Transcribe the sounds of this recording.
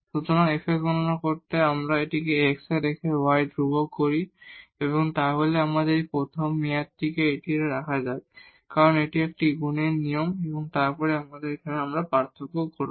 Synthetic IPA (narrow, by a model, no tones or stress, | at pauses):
sut͡ɕɔnaefekɡɔnɔnakoɾt̪eamɾaeʈikeeksed̪ekʰewajdɾubɔkkoɹieβɔŋt̪aɦoleamad̪eɾipɾot̪ʰɔmːijat̪ːikeeʈiɾɾakʰazab | kaɹɔneʈiek̚ʈiɡunenijɔmebɔŋt̪aɹpɔɹeamad̪eɾekʰaneamɾapaɾt̪ʰokokoɾu